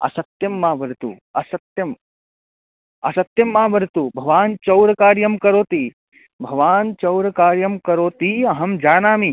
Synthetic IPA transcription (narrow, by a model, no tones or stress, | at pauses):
ɐ̰sɐt̪jɐmːaːʋɐɾt̪ṵ | ɐsɐt̪jɐm | ɐsɐt̪jɐmːaːʋɐɾt̪ubʱɐʋaːnt͡ʃɐwɾɐkaːɾjɐmkɐɾoːt̪iː | bʱɐʋaːnt͡ʃɐwɾɐkaːɾjɐmkɐɾoːt̪iɐɦɐmd͡ʒaːnaːmi